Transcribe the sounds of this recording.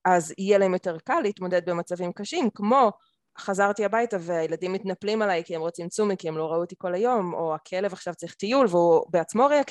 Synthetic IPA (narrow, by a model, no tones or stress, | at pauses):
ʔazijelaemjo̞te̞ʁkalːiit̪mo̞d̪ed̪̚be̞mat͡savimkaʃimkmo̞ | χazaʁt̪iabajtaveajeladimːitnaplimalajkiemʁot͡simt͡sumikiemlo̞ʁauot̪iko̞lajo̞mo̞akʰele̞vaχʃavt͡saʁiχtijulveubeat͡smo̞ʁeak